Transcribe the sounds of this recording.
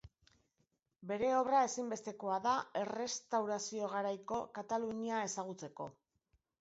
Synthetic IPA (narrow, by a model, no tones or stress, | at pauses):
be̞ɾe̞o̞βrae̞simbe̞st̪e̞ko̞aðae̞re̞st̪awɾasio̞ɣ̞aɾajko̞kat̪aluɲiae̞saɣ̞ut͡se̞ko̞̰